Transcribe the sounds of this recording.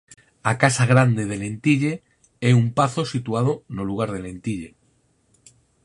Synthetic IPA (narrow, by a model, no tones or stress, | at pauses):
akasaɣɾand̪eðele̞nt̪iʎe | eumpaθo̞sit̪uað̞onoluɣ̞aɾð̞e̞le̞nt̪iʎe̞